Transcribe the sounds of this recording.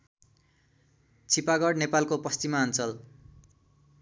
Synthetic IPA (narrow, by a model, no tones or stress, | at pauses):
t͡sʰipaɡʌɽnepalkopʌst͡simaːnt͡sʌl